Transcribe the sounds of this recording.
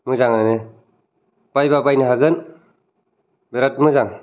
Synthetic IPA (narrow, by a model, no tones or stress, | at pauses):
mɯzaŋanɯ | b̥ajbabajneɦaɡɯn | beɾat̚mɯzaŋ